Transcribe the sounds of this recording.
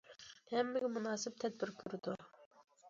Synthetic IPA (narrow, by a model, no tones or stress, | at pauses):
hɛmːɪɡʲɛmunɑːsɪp̚t̪ʰɛd̪̚bɪɾkʲʰyɾɪd̪u